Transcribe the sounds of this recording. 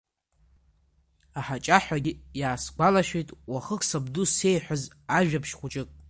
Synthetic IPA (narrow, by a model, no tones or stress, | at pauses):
aħat͡ʃʼaħʷᶣaɡʲijaːsɡʷalaʃᶣejtʼwaχəkʰsabduse̞jħʷᶣaz | aʒᶣapʰʃχʷʊt͡ʃʼɪkʼ